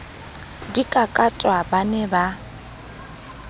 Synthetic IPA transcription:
dikʼakʼatʼwabanɛba

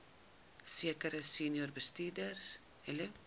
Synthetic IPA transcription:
siəkəɾəsinjurbəstiːdər | hɛlə

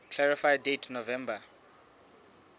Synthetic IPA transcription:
kʰlaɹifajdetʰnovɛmba

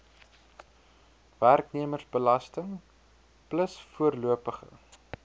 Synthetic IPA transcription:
værkniəmərsbəlɐstəŋ | pləsfuərluəpəχə̰

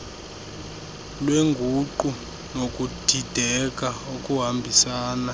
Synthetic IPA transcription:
lweŋɡʱuǃu | nokʼud̥ʱid̥ʱɛk̬ʼaokʼuɦambʱisaːna

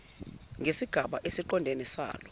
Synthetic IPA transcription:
ŋɡʱesiɡ̥ʱaɓaʔesiǃɔndʱenisa̰ːlɔ

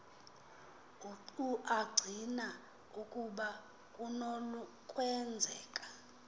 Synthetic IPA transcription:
uǃuʔaɡ͡ǀʱina | ukʼuɓa | kʼunolu | kʼwɛnd͡zʱɛːkʼḁ

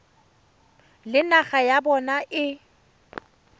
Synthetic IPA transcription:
lɪnaɣajabɔnaʔɪ

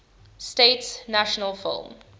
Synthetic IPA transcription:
steɪtsnaʃənəlˠfɪ̰lˠm

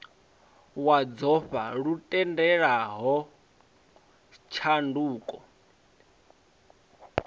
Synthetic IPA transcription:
wad͡zɔɸa̰ɺutʼɛndɛɺaɦɔ | t͡ʃʰanduːkʼɔ

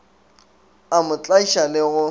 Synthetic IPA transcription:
amʊt͡ɬʼaiʃalɪɣʊ

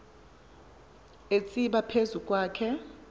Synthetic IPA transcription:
et͡sʼiɓapʰezukʼwaːkʰɛ

